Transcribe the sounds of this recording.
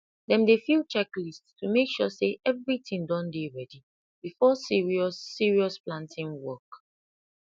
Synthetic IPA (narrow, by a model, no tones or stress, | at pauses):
dɛ̃mdefilt͡ʃɛklisttʰumekʃɔseʔɛvɹitʰĩŋdɔ̃ndeɹɛdi | b̥ifɔsiɹiɔːiɹiɔsplãntʰĩnwɔk